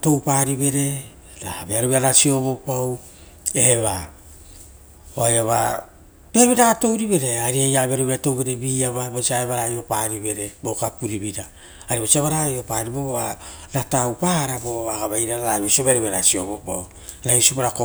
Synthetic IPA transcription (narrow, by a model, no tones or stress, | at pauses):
to̞wpaɾiβe̞ɾe̞ | ɾabeaɾouβeaɾasio̞βopaw | eheβa | oajaβa̰ | b̥eβiɾato̞wɾiβe̞ɾe̞aɾiejaβaɾoβeato̞wβe̞ɾebiːaβabosiaeβaɾajo̞paɾiβe̞ɾe̞bokapuɾibiɾa | aɾiβosiaβaɾajopaɾibooaɾatawpaɾaboβaɡaβajɾaɾaɾaβisioβeaɾoβeaɾasiobopa̰w | ɾaiusiopaɾako